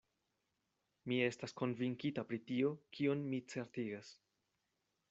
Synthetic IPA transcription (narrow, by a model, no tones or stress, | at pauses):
mie̞stasko̞nviŋkitapɾitio̞kʰio̞nmit͡se̞ɾtiɡas